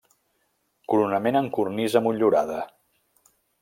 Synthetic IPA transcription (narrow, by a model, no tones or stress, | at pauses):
kuɾunəmenəŋkurnizəmuʎuɾa̰ðə